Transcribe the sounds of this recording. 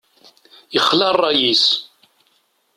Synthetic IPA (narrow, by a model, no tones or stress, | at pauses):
jəχːlɑrˤːɑjis